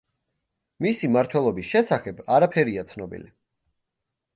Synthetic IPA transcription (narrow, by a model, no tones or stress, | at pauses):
misimaɾt̪ʰwɛlˠɔbisʃɛsaχɛbaɾapʰɛɾiat̪sʰnɔbḭlḭ